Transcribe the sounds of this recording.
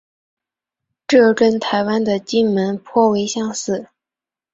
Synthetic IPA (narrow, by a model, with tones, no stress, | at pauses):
ʈ͡ʂɤ˥˩ʈ͡ʂə˥nt̪ʰa˧˥ɪwa˥nd̪ə˨t͡ɕi˥nmə˧˥npʰwɔ˥˩we˧˥ɪɕjɑ˥˧ŋsɹ̩˥˩